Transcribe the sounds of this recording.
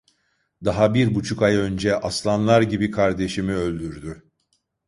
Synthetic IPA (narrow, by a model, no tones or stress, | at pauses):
d̪aɦabiɾbut͡ʃʰukajø̞nd͡ʒɛʔaslˠamlˠaɾɟibikʰaɾd̪e̞ʃimiø̞lʲd̪yɾd̪y